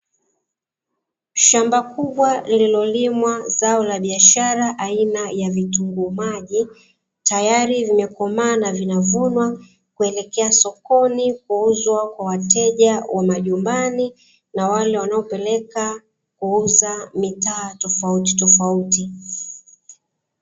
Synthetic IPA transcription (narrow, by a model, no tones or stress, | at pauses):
ʃambakuɓwalililɔlimwazaɔlaɓiaʃaɾaʔainajavituŋɡumaʄi | tajaɾivimɛkɔmaːnavinavunwa | kuɛlɛkɛasɔkɔnikuuzwakwawatɛʄawʔamaʄumbani | nawalɛwanaɔpɛlɛka | kuuzamitaːtɔfauti̥tɔfauti